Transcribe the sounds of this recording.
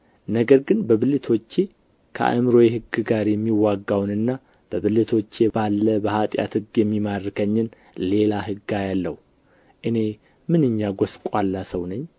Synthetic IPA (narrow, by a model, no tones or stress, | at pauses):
nəɡəɾɡɨnbəβɨlɨt̪ʰo̞t͡ʃːe̞ | kʰə̰ʔa̰mɾo̞jɦɨɡːɨɡaɾjɛmːiwaɡːawnɨnːa | b̥əβɨlɨt̪ʰo̞t͡ʃːe̞balːəbəhat̪ʼja̰t̪hɨɡjɛmːimarːɨkʰəɲːɪn | le̞laɦɨɡajalːə̰hu | ʔɨne̞ | mɨnɨɲːaɡʷoskʷʼalːasəwnəɲː